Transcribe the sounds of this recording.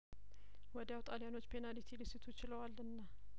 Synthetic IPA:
wɔd̪awt̪ʼalijano̞t͡ʃːpʰe̞nadit̪ʰilisit̪ʰut͡ʃɪləwalːɨnːa

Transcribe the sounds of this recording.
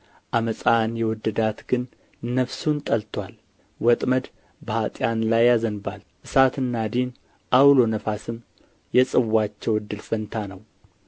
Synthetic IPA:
ʔaməsʼanjɛwɔd̪ːəd̪at̪ɡɨnː | əfsunt̪ʼəlt̪ʰwʷal | wɔt̪ʼməd̪ | bəhat̪ʼjanlajːazənbal | ʔɨsat̪ɨnːad̪in | ʔawlo̞nəfasɨm | jɛsʼɨwːat͡ʃːɛwɨd̪ːɨlfənt̪ʰanəw

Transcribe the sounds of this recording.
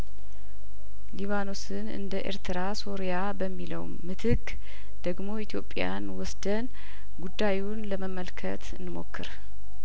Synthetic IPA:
liβano̞sɨnɨ̰nd̪əʔḛɾt̪ʰɨɾaso̞ɾjabəmːiləwmːɨt̪ʰɨkː | d̪̥əɡmo̞it̪ʰjo̞pʼːja̰nwɔsd̪ən | ɡud̪ːajunləməməlkʰə̰t̪ɨnːɨmo̞̰kːɨ̰ɾ

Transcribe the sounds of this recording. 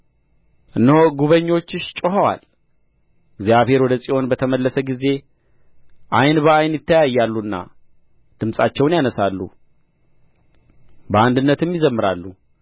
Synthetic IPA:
ʔɨnːəhoɡuβəɲːo̞t͡ʃːɨʃt͡ʃʼoɦawa̰l | ɪɡzjaβhe̞ɾwɔd̪əsʼiʔo̞nbət̪ʰəməlːəsəɡize̞ | ʔajnbəajnjɪt̪ʰːəjajːalːuɨnːa̰ | d̪̥ɨmsʼat͡ʃːɛwnjanəsalːṵ | bəand̪ɨnːət̪ɨmjɪzəmːɨɾa̰lːu

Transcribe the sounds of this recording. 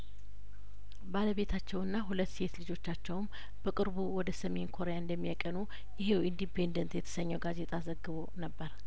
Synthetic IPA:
baləβe̞t̪ʰat͡ʃːɛwɨnːaɦulət̪ːse̞t̪lɨd͡ʒo̞t͡ʃːat͡ʃːɛwm | bəkʼɨɾβuwɔd̪əsəme̞nkʰo̞ɾejaɨnd̪əmːijakʼənu | jɪɦe̞wind̪ipʰe̞nd̪ənt̪jɛt̪ʰə̥səɲːɛwɡaze̞t̪ʰʼazəɡːɨβonəbːəɾ

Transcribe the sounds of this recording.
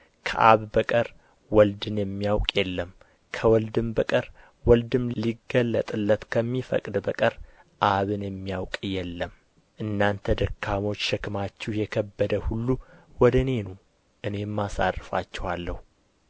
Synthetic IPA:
kʰə̰ʔa̰βbəkʼəɾ | wɔld̪ɨnjɛmːijawkʼjɛlːəm | kʰəwɔld̪ɨmbəkʼəɾ | wɔld̪ɨmliɡːəlːət̪ʼɨlːət̪kʰəmːifə̰kʼd̪bəkʼəɾ | ʔaβɨnjɛmːijawkʼjɛlːəm | ʔɨnːant̪ʰəd̪əkʰːamo̞t͡ʃːʃɛkʰɨmat͡ʃːɛhjɛkʰəbːəd̪əhulːuwɔd̪əne̞no | ʔɨne̞mːasa̰rːɨfa̰t͡ʃːɛwalːəhu

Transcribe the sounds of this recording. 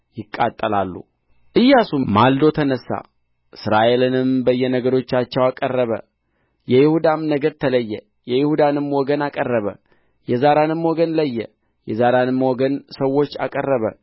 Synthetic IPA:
jɪkʼːat̪ʼːəlalːṵ | ʔɨjːasumald̪o̞t̪ʰənəsːa̰ | ʔɨsɾaʔe̞lɨnɨmbəjːɛnəɡəɾo̞t͡ʃːat͡ʃːɛwakʼərːəβə̰ | jɛjɪhud̪amnəɡəɾt̪ʰələjːɛ | jɛjɪhud̪anɨmwɔɡənakʼərːəβə̰ | jɛzaɾanɨmwɔɡənləjːɛ | jɛzaɾanɨmːwɔɡənsəwːo̞t͡ʃːa̰kʼərːəβə

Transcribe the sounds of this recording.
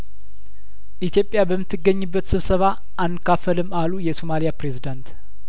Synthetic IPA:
ʔit̪jo̞pʼːjabəmːɨt̪ʰːɨɡːəɲːɨbːət̪sɨβsəβa | ʔːnːɨkʰːafəlɨmalujɛsomalijapɾe̞zid̪ant̪

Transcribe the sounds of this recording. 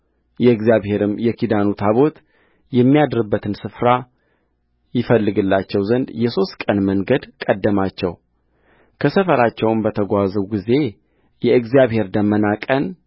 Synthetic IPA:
jɛɨɡzijaβhe̞ɾɨmjɛkid̪anut̪ʰaβo̞t̪ | jɛmːijad̪ɾɨbːət̪ʰɨnsɨfɾa | jɪfəlːɨɡɨlːat͡ʃːɛwzənd̪jɛso̞st̪̚kʼənməŋɡəd̪kʼəd̪ːəmat͡ʃːɛ̰w | kʰəsəfəɾat͡ʃːɛwmbət̪ʰəɡʷazəwɡize̞ | jɛʔɨɡzjaβhe̞ɾd̪əmːənakʼən

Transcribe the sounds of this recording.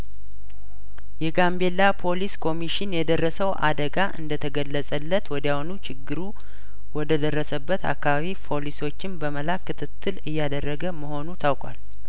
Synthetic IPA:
jɛɡambe̞lːapʰo̞liskʰo̞miʃɪnjɛd̪ərːəsəwʔa̰d̪əɡaʔɨ̰nd̪ət̪ʰəɡəlːəsʼəlːət̪wɔd̪jahnut͡ʃʰɪɡːɨɾu | wɔd̪əd̪ərːəsəbːət̪a̰kːaβaβipʰo̞liso̞t͡ʃːɪnbəməlakːɨt̪ʰɨt̪ʰːɨlɨjːad̪ərːəɡəməho̞nut̪ʰawkʼal

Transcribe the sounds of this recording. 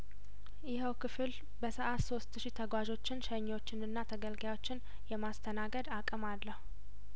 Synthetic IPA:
jɪɦəwkʰɨfɨl | bəsəʔat̪so̞st̪ʃit̪ʰəɡʷad͡ʒo̞t͡ʃːɪnʃəɲːo̞t͡ʃːɪnɨnːat̪ʰəɡəlɡjawo̞t͡ʃːɪn | jɛmast̪ʰənaɡəd̪akʼəmalːəhu

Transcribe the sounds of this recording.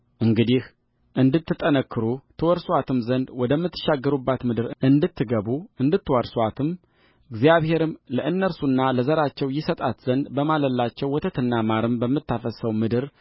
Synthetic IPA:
ʔɨŋɡɨd̪ih | ʔɨnd̪ɨt̪ːɨt̪ʼːənəkːɨɾut̪ʰɨwɔɾswat̪ʰɨmzənd̪wɔd̪əmːɨt̪ːɨ̥ʃaɡːəɾubːat̪mɨd̪ɨɾɨʔɨnd̪ɨt̪ʰːɨɡəβuɨnd̪ɨt̪ːɨwɔɾswat̪ʰɨm | ɨɡzjaβhe̞ɾɨmləʔɨnːəɾsunːaləzəɾat͡ʃːɛwjɪsət̪ʼat̪z̥ənd̪bəmaləlːat͡ʃːɛwːɔt̪ʰət̪ʰɨnːamaɾɨmbəmːɨt̪ːafəsəwmɨd̪ɨɾ

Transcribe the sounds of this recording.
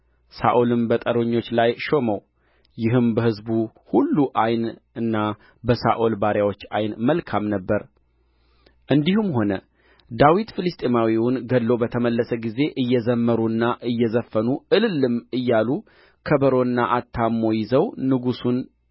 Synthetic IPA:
sa̰ʔolɨmbət̪ʼəɾo̞ɲːo̞t͡ʃːlajʃo̞məw | jɪɦɨmbəhɨzbu | hulːuʔajnɨnːa | bəsa̰ʔolbaɾjawo̞t͡ʃːa̰jnməlkʰamnəbːəɾ | ʔɨnd̪ihumho̞nə | d̪awit̪fɨlɨst̪ʼemawiwʊnɡəlːo̞bət̪ʰəməlːəsəɡize̞ʔɨjːɛzəmːəɾuɨnːaʔɨjːɛzəfːənuɨlɨlːɨmɨjːalu | kʰəbəɾonːaʔat̪ʰːamːo̞jɪzəwnɨɡusun

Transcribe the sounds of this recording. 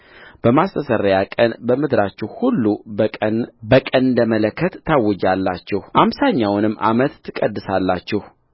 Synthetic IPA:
b̥əmast̪ʰəsəɾəjakʼənbəmɨd̪ɾat͡ʃːɛhhulːu | bəkʼənɨnd̪əmələkʰːət̪ːawːɔd͡ʒalːat͡ʃːɛhʔamsaɲːawnɨmːʔa̰mət̪ʰːɨkʼəd̪ːɨsalːat͡ʃːɛh

